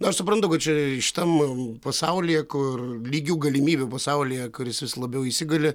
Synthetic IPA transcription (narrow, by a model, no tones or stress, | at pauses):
nʊɐʃsʊpɾɐnt̪ʊkɐt̪t͡ʃʲɛʃʲɪ̥t̪ɐmpɐsɐʊlʲɪjɛkʊrlʲiːɡʲuːɡɐlʲɪmʲiːbʲɛpɐsɐʊlʲijɛkʊɾʲjɪsʋʲɪslˠɐbʲɛʊisʲɪɡɐlʲɪ